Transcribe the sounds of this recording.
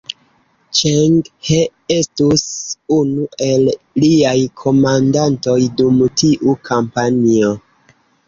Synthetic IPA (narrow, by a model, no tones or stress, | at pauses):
t͡ʃeŋɡhe | estusunuʔe̞lː | iajkʰo̞mandanto̞jdumtiʔukʰampanio